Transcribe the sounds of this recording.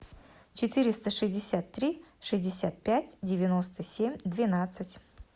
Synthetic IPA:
t͡ɕɪt̪ɨɾʲɪst̪əʂɨzʲdʲɪsʲat̪ːɾʲiʂɨzʲdʲɪsʲat̪̚pʲætʲdʲɪvʲɪnost̪əsʲemʲd̪vʲɪnat̪sɨtʲ

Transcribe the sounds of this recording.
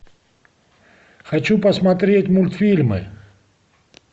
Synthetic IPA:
xɐt͡ɕupɐsmat̪ɾʲetʲmʊlʲt̪fʲilʲmɨ̰

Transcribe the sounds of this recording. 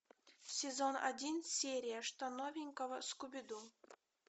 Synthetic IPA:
sʲezona̰dʲinsʲeɾʲijaʂt̪anovʲiŋʲkovə̆skubʲid̪u

